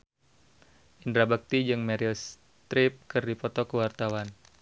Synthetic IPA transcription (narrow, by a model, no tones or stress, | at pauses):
ʔindɾabak̚t̪id͡ʒɨŋmɛɾils | t̪ɾɪp̚kɨrdipɔt̪ɔkəwart̪awan